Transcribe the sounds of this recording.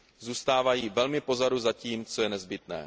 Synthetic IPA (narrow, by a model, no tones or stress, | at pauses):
zuːst̪aːvajiːvɛlmɪpo̞zaduzaciːmt͡sojɛnɛzbɪt̪nɛ̰ː